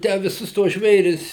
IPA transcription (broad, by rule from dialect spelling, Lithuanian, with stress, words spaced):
ˈtʲæː ʋʲɪˈsʊs tuɔs ˈʒʲʋʲeːrʲɪs